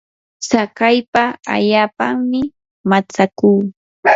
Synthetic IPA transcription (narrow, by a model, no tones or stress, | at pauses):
sakajpaa̰ʎaːpaŋmɪ | mat͡sakuː